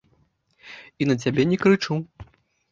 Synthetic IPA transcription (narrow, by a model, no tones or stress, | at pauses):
inɐt͡s̬ʲabʲɛnʲɛkɾɨt͡ʂu